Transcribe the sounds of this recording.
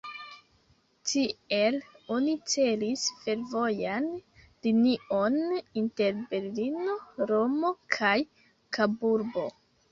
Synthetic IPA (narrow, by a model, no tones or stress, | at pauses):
tielo̞nit͡se̞lisfe̞ɾvo̞jan | liniʔo̞ninte̞ɾbe̞ɾlino̞ɾomo̞kʰaj | kabuɾbo̞